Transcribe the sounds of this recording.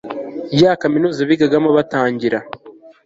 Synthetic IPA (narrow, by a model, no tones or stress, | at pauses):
jaːkaminuːzaβiɡaɡamoβataːɲɟiɾa